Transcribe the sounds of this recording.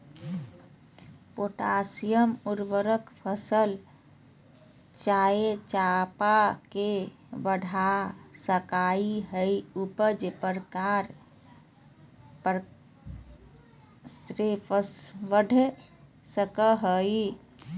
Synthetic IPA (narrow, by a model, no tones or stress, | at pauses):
poʈasijəmuɾʋəɾəkpʰəsəl | t͡ʃaet͡ʃapake | bəɖʱasəkaiɦəjupəɾd͡ʒepəɾkaɾ | pɾ | sɾepəsʋəɖʱ | səkəɦəi